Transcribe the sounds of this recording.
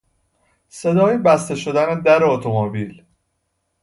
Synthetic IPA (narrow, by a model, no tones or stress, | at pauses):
se̞d̪ɒːjibæst̪e̞ʃo̞d̪æned̪æɾeot̪ʰomobiːl